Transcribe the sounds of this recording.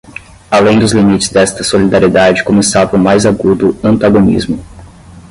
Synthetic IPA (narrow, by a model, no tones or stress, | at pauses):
alẽj̃d̪ʊzlimit͡ʃɪ̥zd̪ɛst̪ɐsolid̪aɾied̪ad͡ʒɪkomesavɐʊmajzaɡud̪ʊɐ̃nt̪aɡonḭzmʊ